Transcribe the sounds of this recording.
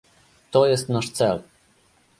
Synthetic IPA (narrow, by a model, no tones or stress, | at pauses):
t̪ɔjɛst̪naʂt̪sɛl